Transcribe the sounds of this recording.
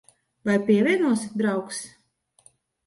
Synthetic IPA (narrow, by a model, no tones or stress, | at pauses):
vajpʲiɛvʲiɛnuɔsʲit̪̚d̪ɾawks